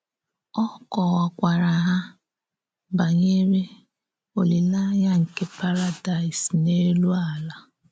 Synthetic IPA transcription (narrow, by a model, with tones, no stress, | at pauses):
ɔ˦kɔ˨ɣa˨kʷa˨ɾa˨ɦa˦ | ba˨ɲe˦ɾe˦ | o˨li˨la˦ja˦ŋ̩˨ke˦pa˦ɾa˦da˨i˨sne˦lu˦a˨la˦